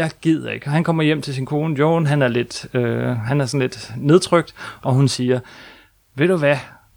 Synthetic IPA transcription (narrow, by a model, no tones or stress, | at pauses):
ɑ̈ɪɡ̥ið̰ˠɐe̝ɡ̥ɒhænkʰɒ̽m̰ɐjem̰t͡sʰe̝s̬inkʰo̝ːnəjo̰ːnɦænæɐle̝d̥øɦænæɐsɒn̩le̝d̥ne̝ð̞ˠt͡sʰʁœɡ̥̚d̥ʔɒ̽ɦunsiːɐ | ʋe̝d̥uʋæ